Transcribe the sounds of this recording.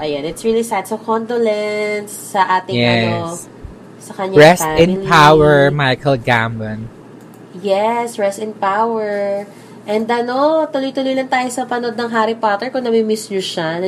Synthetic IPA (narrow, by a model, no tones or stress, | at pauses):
ʔɐjanɪt̪sɹilisad̪sɐkond̪olɛnsːɐʔaːt̪ɪjŋɛɐo | sɐkɐɲɹɛsaɪ̃npʰawɛɹmajkɐlɡambɐn | jɛsɹɛst̪ɪ̃npawwɛɹ | ʔɛnd̪ʔɐno̞t̪ʊlojt̪ʊlʊjlɐŋt̪aːjosɐpɐnod̪̚nɐŋɦaɾɪpat̪ɛɹkʊnɐmimɪsnʊʃan